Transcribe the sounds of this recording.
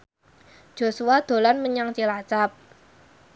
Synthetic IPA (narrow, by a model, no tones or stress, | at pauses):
d̥ʒ̥o̤suwad̪̥o̤lanməɲaŋt͡ʃilat͡ʃap̚